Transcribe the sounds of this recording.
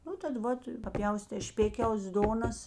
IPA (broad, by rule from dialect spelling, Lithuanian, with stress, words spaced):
ˈnʊ tɐt ˈʋɐt pɐˈpʲjɛʊsʲtʲeː ˈʃʲpʲeːkʲɛʊs ˈdoːnɐs